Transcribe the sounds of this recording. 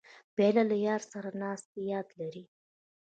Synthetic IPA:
b̥elalajɑɾsaɾanɑst̪ejɑd̪laɾi

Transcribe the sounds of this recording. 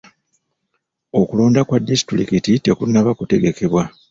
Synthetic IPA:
o̞kulo̞ːndakwadːisi̥tɾḭkitite̞kunːaβakute̞ɡe̞ke̞βwa

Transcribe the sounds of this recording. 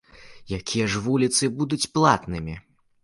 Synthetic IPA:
jakʲijɐʐvulʲit̪sɨbud̪ut͡sʲplˠat̪nɨmʲi

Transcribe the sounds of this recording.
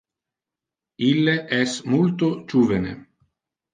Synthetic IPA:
ilːeʔɛsmult̪od͡ʒuːvenḛ

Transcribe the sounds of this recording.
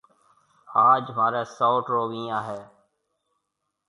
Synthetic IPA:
aːd͡ʒmaːɾeːsoːʈɾoːʋĩːãːɦeː

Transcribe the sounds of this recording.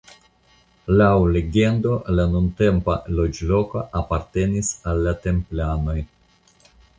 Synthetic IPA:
lawle̞ɡe̞ndo̞lanunte̞mpalod͡ʒlo̞koʔapaɾte̞nisalːate̞mplano̞j

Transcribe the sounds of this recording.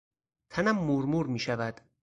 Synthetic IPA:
t̪ʰænæmːuːɾmuːɾmiːʃævæd̪̥

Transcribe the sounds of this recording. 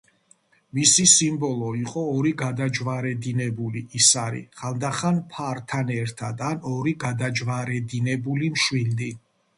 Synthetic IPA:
misisimbɔlˠɔiqʼɔːɾiɡad̪ad͡ʒvaɾɛd̪inɛbuliisaɾḭχald̪aχanpʰaɾt̪ʰanɛɾt̪ʰad̪anɔɾiɡad̪ad͡ʒvaɾɛd̪inɛbulimʃwild̪i

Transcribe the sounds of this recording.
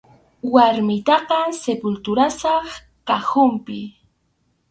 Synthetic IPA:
waɾmɪt̪ɑqɑsepʊlt̪ʊɾasɑχ | kaxʊmpɪ

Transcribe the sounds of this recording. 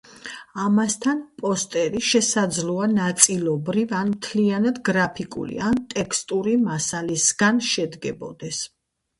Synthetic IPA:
amast̪ʰanpʼɔst̪ʼɛɾiʃɛsad̪zlˠuanat̪sʼilˠɔbɾivanmt̪ʰlianad̪ɡɾapʰikʼṵlḭant̪ʼɛkʰst̪ʼuɾimasalisɡ̥anʃɛd̪ɡɛbɔ̰d̪ɛs

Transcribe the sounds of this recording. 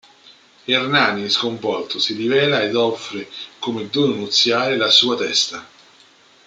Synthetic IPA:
ernaːniskoɱvɔlt̪ʊsiɾivɛːlaed̪ɔfːɾekomed̪unut̪sːjaːɾelasuːat̪ɛst̪a

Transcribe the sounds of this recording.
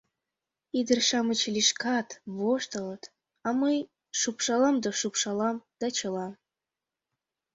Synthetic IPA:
id̪ərʃɑmət͡ɕlʲiʃkɑt̪βoʃt̪ɤlɤt̪ | ɑməj | ʃupʃɑlɑmd̪oʃupʃɑlɑmd̪̥ɑt͡ɕɤlɑm

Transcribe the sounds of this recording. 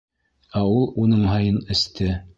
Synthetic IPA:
æulˠunɤɴɦɑjɤnɘ̆st̪ɘ

